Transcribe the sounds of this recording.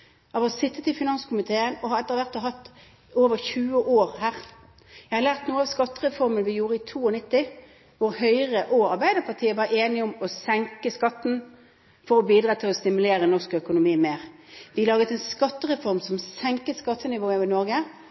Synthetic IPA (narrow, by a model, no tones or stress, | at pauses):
ɑːʋɑsɪt̪ːət̪ɪfɪnɑnskʊmɪt̪ʰeːənɔhɑɾɛt̪ːəʁʋæʁt̪ɔɦɑt̪ː | oːʋəɾçʉːəʔoːɾhæːʁ | jæɪhɑɾlæːʁt̪nuːəɑʋskɑt̪ːəʁɛfɔʁmənəʋɪjuːɾəɪt̪ʰuːɔnɪt̪ːɪ | ʋʊɾhœʏʁəʔɔɑɾbæɪd̪əʁpʰɑʁt̪ʰiːəʋɑːɾeːnɪʊmɔsɛŋkəskɑt̪ːn̩ | fɔɾɔbiːd̪ʁɑːt̪ʰɪlɔst̪ɪmʉleːɾənɔʁskœkʊnʊmiːmeːʁ | ʋɪlɑːɡət̪ɛnskɑt̪ːəʁɛfɔɾmsɔmsɛŋkət̪skɑt̪ʰːənɪʋoːəʋɪnɔɾɡə